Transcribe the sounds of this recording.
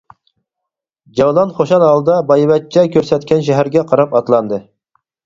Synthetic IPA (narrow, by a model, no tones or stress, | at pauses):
d͡ʒɑwlˠɑnχoʃɑnhɑlˠd̪ɑbɑjvɛt̪̚t͡ʃʰːɛkʲʰøɾsɛt̪̚kʲɛnʃ̬ɛɦæɾɡʲɛqʰɑɾɑpɑt̪lˠɑnd̪ɨ